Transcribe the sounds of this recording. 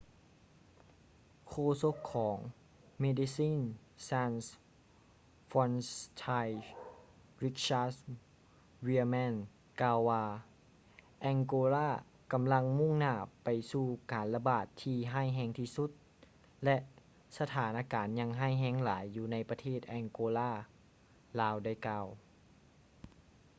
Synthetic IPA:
kʰoː˧˨so˧˥kʰːɔː˩˦ŋ | me˧di˧˥siː˧˥˨n | saː˧ns | fɔ˧nst̪ʰaː˧j | ɾi˦˧k̚ɕaː˧s | wi˧mɛː˧˥˨n | kaː˧wːaː˧ | ʔɛ˧ŋkoː˧laː˧˥˩ | ka˨mla˧ŋmu˥˨ŋnaː˧˩pa˨˩jsuː˧˩kaː˨˩nla˧baː˨˩t̪ʰːiː˧ɦaː˥˩jɦɛː˧ŋt̪ʰiː˧su˧˦˥t̪̚ | lɛ˧ʔ | sa˧t̪ʰaː˨˦nʔaː˧kaː˨nɲa˧ŋɦaː˥˩jɦɛː˧˥ŋlaː˨˦jːuː˧na˧jpa˧t̪ʰeː˥˩t̪̚ʔɛ˧ŋkoː˧laː˥˩ | laː˧˥wda˥˩jkaː˧w

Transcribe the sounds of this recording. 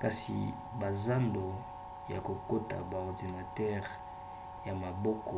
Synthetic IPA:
ka˨sḭ˨ | ba˨za˦ndo˨ | ja̰˨ko˨ko˦ta̰˨ba˨ɔ˨ʁdi˨na˨tɛ˦ʁ | ja˨ma˨bɔ˦kɔ˨

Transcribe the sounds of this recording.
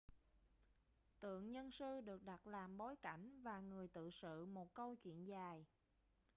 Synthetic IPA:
t̪ɨ̰˧˨əŋɲə˧nsɨ˧ɗɨ˨˩ək̚ɗa˨˩t̚laː˨˩mɓo˨˦jka˧˩jŋ̟vaː˨˩ŋɨ˨˩əjt̪ɨ̰˧˨sɨ̰˧˨mo˨˩t̚kə˧wt͡ɕwḭ˧˨ənzaː˨˩j

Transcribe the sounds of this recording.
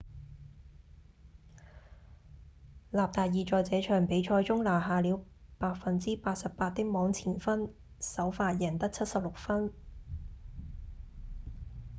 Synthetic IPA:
laː˨p̚t̪aː˨jiː˨˧t͡ʃɔː˨jt͡sɛː˨˧˥t͡ʃʰœː˨˩ŋpe˨˧˥jt͡ʃʰɔː˧jt͡sʊ˥ŋlaː˨˩ɦaː˨liː˨˧˥w | paː˧t̚fɐ˨nt͡siː˥paː˧t̚sɐ˨p̚paː˧t̚t̪ɪ˥k̚mɔː˨˥ŋt͡sʰiː˨˩nfɐ˥n | sɐ˨˥wfaː˧t̚jɐ˨˩nt̪ɐ˥k̚t͡sʰɐ˥t̚sɐ˨p̚lʊ˨k̚fɐ˥n

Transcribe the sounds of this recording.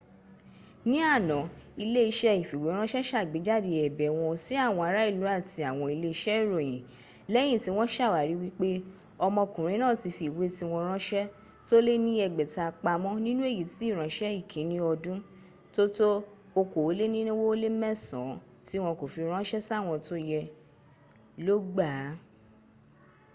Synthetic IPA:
nĩ˦a˦˨nɔ̃˨i˧le˦i˧ʃɛ˦i˨fi˨we˨˦ɾ̃ã˦ʃɛ˦ʃa˦˨ɡ͡be˨˦d͡ʒa˦˨de˧ɛ˨bɛ˨w̃ɔ̃˧si˦a˦˨w̃ɔ̃˧a˧ɾa˨˦i˦˨lu˨˦a˦˨ti˧a˨w̃ɔ̃˧i˧le˦i˧ʃɛ˦i˦˨ɾo˨j̃ĩ˨ | lɛ˦j̃ĩ˦˨ti˨˦w̃ɔ̃˦ʃa˦˨wa˨ɾi˨˦wi˦k͡pe˦ | ɔ˧mɔ̃˧kũ˨ɾ̃ĩ˨˦nãː˦˨ti˧fi˨we˨˦ti˦w̃ɔ̃˧ɾ̃ã˦ʃɛ˦ | to˦le˦nĩ˦ɛ˧˨ɡ͡bɛ˨ta˨˧k͡pa˧mɔ̃˦nĩ˦nũ˦e˦˨ji˨ti˨˦˨ɾ̃ã˨˦ʃɛ˦i˦˨kʰĩ˨˦nĩ˦ɔ˧dũ˦ | to˦to˦ | o˧ko˨o˨˦le˦nĩ˦nũ˦wo˦o˦le˦mɛ̃˦sɔ̰̃˨˦ | ti˦w̃ɔ̃˧ko˨fi˧ɾ̃ã˦ʃɛ˦sa˦˨w̃ɔ̃˧to˦jɛ˧ | lo˦ɡ͡ba˦˨˦

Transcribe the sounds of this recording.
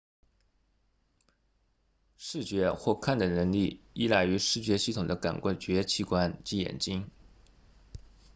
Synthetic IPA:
ʂɻ̩˥˩t͡ɕɥɛ˧˥xwɔ˥˧kʰa˥˩nd̪ə˩nə˧˥ŋli˥˩i˥˩la˥˩ɪy˧˥ʂɻ̩˥˩t͡ɕɥɛ˧˥ɕi˥˩t̪ʰʊ˨˩ŋd̪ə˦ka̰˨˩nkwa˥˩t͡ɕɥɛ˧˥t͡ɕʰi˧˥˩kwa˥˩nt͡ɕi˧˥jɛ̰˨˩nt͡ɕi˥ŋ

